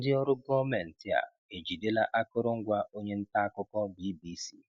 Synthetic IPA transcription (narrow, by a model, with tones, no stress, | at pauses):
dɪ˦ɔ˦ɾʊ˦ɡɔ˦mɛ˨n̩˨tɪ˦a̰˨ | e˨d͡ʒi˨de˦la˦ʔa˦kʊ˦ɾʊ˦ŋ̩˦ɡʷa˦o˦ɲe˦n̩˦ta˦a˦kʊ˦kɔ˦bi˦bi˦si˦˨